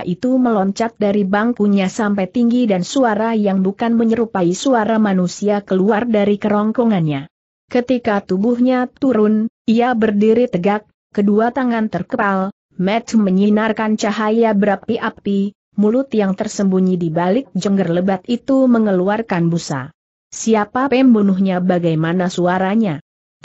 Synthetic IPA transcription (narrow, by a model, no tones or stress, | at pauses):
ʔit̪uməlɔɲt͡ʃat̪̚daɾibaŋkuɲasampajt̪iŋɡidansuaɾajaŋbukanməɲəɾupaisuaɾamanusiakəluardaɾikəɾɔŋkɔŋanɲa | kət̪ikat̪ubuhɲat̪uɾʊn | iabərdiɾit̪əɡakːəduat̪aŋant̪ərkəpal | mɛt̪məɲinarkant͡ʃaɦajabəɾap̚t̪iʔap̚t̪i | mulʊt̪jaŋt̪ərsəmbuɲidibalɪk̚d͡ʒəŋɡərləbat̪̚it̪uməŋəluarkanbusa̰ | siapapɛmbunuɦɲabaɡajmanasuaɾaɲa